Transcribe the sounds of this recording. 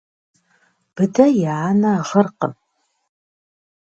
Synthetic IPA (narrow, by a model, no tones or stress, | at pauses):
b̥ɨdɐjaanɐːʁərqəm